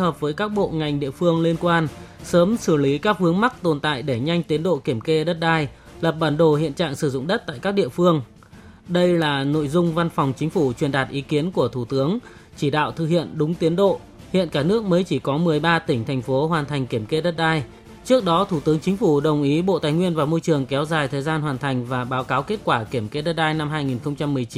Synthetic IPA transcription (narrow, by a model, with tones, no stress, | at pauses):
həː˨˩p̚vəː˨˦jkaː˦˥k̚ɓo̰˧˨ŋa˨˩jŋ̟ɗḭ˧˨əfɨ˧əŋli˧nkwaː˧nsəː˨˦msɨ˧˩li˨˦kaː˦˥k̚hɨ˨˦əŋma˦˥k̚t̪o˨˩nt̪a̰ː˧˨jɗe˧˩ɲa˧jŋ̟t̪i˨˦ənɗo̰˧˨ki˧˩əmke˧ɗə˦˥t̚ɗaː˧j | lə˨˩p̚ɓaː˧˩nɗo˨˩hḭ˧ənt͡ɕa̰ː˧˨ŋsɨ˧˩zʊ̰˧˨ŋ͡mɗə˦˥t̚t̪a̰ː˧˨jkaː˦˥k̚ɗḭ˧˨əfɨ˧əŋ | ɗə˧jlaː˨˩no̰˧˨jzʊ˧ŋ͡mva˧nfa˨˩wŋ͡mt͡ɕï˨˦ŋ̟fu˧˩t͡ɕwi˨˩ənɗaː˨˩t̚ʔi˨˦ki˨˦ənku˧˩ət̪ʰu˧˩t̪ɨ˨˦əŋ | t͡ɕi˧˩ɗa̰ː˧˨wt̪ʰɨ˨˩hḭ˧˨ənɗʊ˨˦ŋ͡mt̪i˨˦ənɗo̰˧˨ | hḭ˧˨ənkaː˧˩nɨ˦˥ək̚məː˨˦jt͡ɕi˧˩kɔ˨˦mɨ˨˩əjɓaː˧t̪ï˩ŋ̟t̪ʰɛ˨˩jŋ̟fo˨˦ɦwaː˨˩nt̪ʰa˨˩jŋ̟ki˧˩əmke˧ɗə˦˥t̚ɗaː˧j | t͡ɕɨ˦˥ək̚ɗɔ˨˦t̪ʰu˧˩t̪ɨ˨˦əŋt͡ɕï˨˦ŋ̟fu˧˩ɗə˨˩wŋ͡mʔi˨˦ɓo̰˧˨t̪aː˨˩jŋwi˧ənvaː˨˩mo˧jt͡ɕɨ˨˩əŋkɛ˨˦wzaː˨˩jt̪ʰəː˨˩jzaː˧nɦwaː˨˩nt̪ʰa˨˩jŋ̟vaː˨˩ɓaː˨˦wkaː˨˦wke˦˥t̚kwaː˧˩ki˧˩əmke˧ɗə˦˥t̚ɗaː˧jna˧mɦaː˧jŋi˨˩nxə˧wŋ͡mt͡ɕa˧mːɨ˨˩əjt͡ɕi˨˦